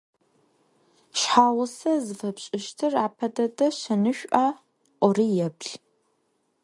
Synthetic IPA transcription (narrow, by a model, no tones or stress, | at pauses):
ɕħaːwʊsɐzɨfɐpɕʼɪʃtʰɨraːpʰɐdɐdɐɕɐnɨʃᶣʷʔaː | ʔʷɔriːjɛpɬ